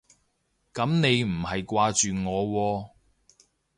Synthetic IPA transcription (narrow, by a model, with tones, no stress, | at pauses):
kɐ˨˥mne˨˧jm̩˨˩hɐ˨jkʷaː˧t͡ʃyː˨ŋɔː˨˧wɔː˧